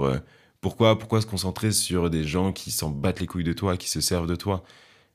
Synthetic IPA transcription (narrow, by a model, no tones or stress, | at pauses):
ø̰ | puʁkwapuʁkwas̬ə̥kɔ̃sɑ̃t̪χesyʁd̪eʒɑ̃kʲʰisɑ̃bat̪lekujd̪ət̪wakʲi̥səsɛʁvd̪ət̪wa